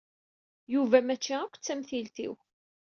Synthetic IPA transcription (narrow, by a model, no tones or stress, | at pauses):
juvæmæt͡ʃːiækʷːt͡sːæmθilt̪ḭw